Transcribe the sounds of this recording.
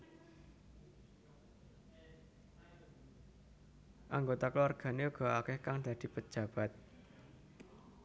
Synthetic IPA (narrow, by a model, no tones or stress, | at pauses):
ʔaŋɡot̪aklwarɡ̥a̤neuɡ̥ɔ̤akɪhkaŋd̪̥ä̤d̪̥i̤pə̥ʒ̥ä̤b̥a̤t̪̚